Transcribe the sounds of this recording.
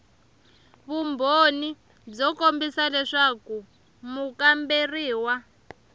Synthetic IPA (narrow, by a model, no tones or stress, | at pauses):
βumbʱoni | b͡ʐɔkombisalɛʂaku | mukamberiːwa